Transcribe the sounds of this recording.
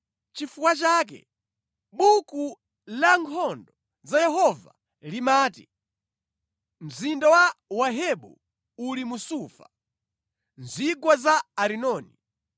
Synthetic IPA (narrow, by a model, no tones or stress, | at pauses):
t͡ʃifukwat͡ʃaːk̬ɛ̰ | ɓuku | laŋkʰɔndɔ | zajɛɦɔva̰ | limaːtḭ | m̩zindawawaɦɛɓṵ | ulimusuːfa | n̩zikwazaːɾinɔːni